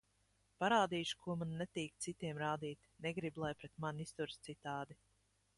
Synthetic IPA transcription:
paɾaːd̪iːʃu̥kʰuɔmanːɛt̪iːk̚t̪sit̪iɛmɾaːd̪iːt̪nɛɡɾiblˠajpɾɛt̪manist̪uɾst̪sit̪aːd̪i

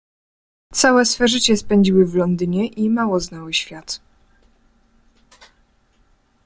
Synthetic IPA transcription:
t̪sawɛsfɛʐɘt͡ɕɛspɛɲd͡ʑiwɘvlɔnd̪ɘɲɛʔimawɔznawɘɕfʲjat̪

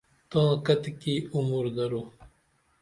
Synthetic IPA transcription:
t̪okat̪ikiumuɾd̪ɐɾu

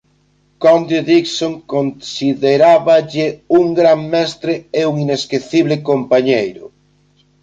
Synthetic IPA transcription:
kɔnd̪oðiksoŋkonsiðeɾaβaʎɪuŋɡɾaŋmɛst̪ɾeeuŋineskeθiβlɪkompaɲejɾʊ̰

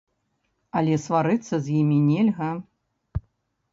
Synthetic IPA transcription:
ɐlʲɛsvaɾɨt̪sːɐzʲjimʲinʲɛlʲɣɐ

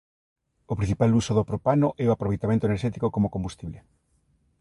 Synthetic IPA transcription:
opɾĩ̟θi̥palusoðopɾopanoʔɛoapɾoβejt̪amẽnt̪oeneɾʃɛt̪ikokomokõmbust̪iβle

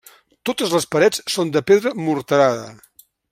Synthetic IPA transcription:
t̪ot̪əzləspəɾɛt͡ssond̪əpeðɾəmuɾt̪əɾaðə̰

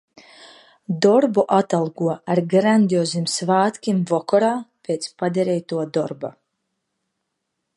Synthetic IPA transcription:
d̪ɔɾbuʔat̪alˠɡuɔaɾɡɾand̪ʲiɔzimsvaːt̪kʲimvɔkɔɾaːpʲet̪spad̪ʲɛɾɛjt̪uɔd̪ɔɾba̰

